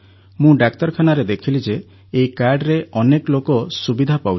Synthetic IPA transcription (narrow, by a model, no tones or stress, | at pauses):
mũɖaktɔɾkʰanaɾed̪ekʰilid͡ʒeː | ikaɾɖɾeɔnekɔlokɔsubid̪ʱapaw